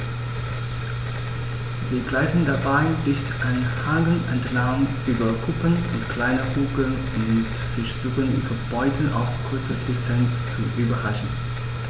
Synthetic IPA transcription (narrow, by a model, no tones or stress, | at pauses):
ziːɡlaɪtn̩dabaɪdɪçtʔanhaːɡl̩ʔantlaʊnʔyːbɐkʰʊpənʊ̰ntkʰl̥aɪnəkuːɡl̩n | ʊmmɪtfɪʃdʊʁən̰fəbɔʏtʰən̩ʔa̰ʊfɡ̥ʰʊt͡səd̥ɪstʰant͡st͡suʔyːbɐʁaʃn̩